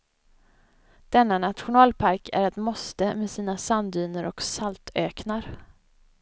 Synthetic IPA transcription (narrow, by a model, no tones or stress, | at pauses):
d̪̥ɛnːanat̪ɧʊnɑːlpʰaɾkʰæ̰ɾɛt̪mɔst̪əmɛsiːnasand̪yːnəɾɔksalt̪ʰøːknaɾ